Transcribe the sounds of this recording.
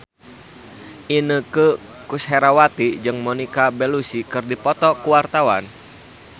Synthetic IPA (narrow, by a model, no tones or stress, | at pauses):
ʔinəkə | kusɦɛɾawat̪id͡ʒɨŋmɔnikabɛlusikɨrdipɔt̪ɔkuwart̪awan